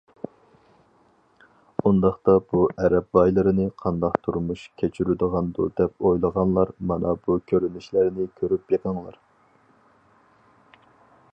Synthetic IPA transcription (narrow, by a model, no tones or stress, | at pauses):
und̪ɑχt̪ɑb̥uʔɛɾɛbbɑjlˠɨɾɨnɪqʰɑnd̪ɑqt̪ʰuɾmuʃkʲʰet͡ʃʰyɾyd̪əʁɑnd̪ṵd̪ɛp̚ojlˠəʁɑnlˠɑɾmɑnɑbukʲʰøɾynyʃlæɾnɪkʲʰøɾypjeʁɑŋlˠɑ̰ɾ